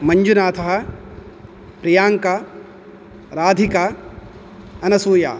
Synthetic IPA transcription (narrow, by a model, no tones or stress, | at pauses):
mɐɲd͡ʒunaːt̪ʰɐɦɐ̆ | pɾijaːŋka | ɾaːd̪ʱika | ɐnɐsuːja̰ː